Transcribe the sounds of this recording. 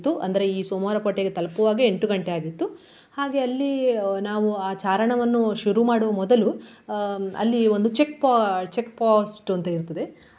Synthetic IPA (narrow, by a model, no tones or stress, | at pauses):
t̪ːuʔɐ̰nd̪ɐɾe̞iːsomaːɾɐpɐʈːeɡet̪ɐlɐpuʋaːɡieɳʈuɡɐɳʈe̞aːɡit̪ːu | haːɡe̞ɐlːinaːʋuaːt͡ʃaːɾɐɳɐʋɐnːuʃuɾumaːɽuʋɐmɔd̪ɐlu | ɐ̰lːio̞nd̪ut͡ʃe̞kpaːt͡ʃekpaːsʈɐnt̪ɐiɾt̪ɐd̪e̞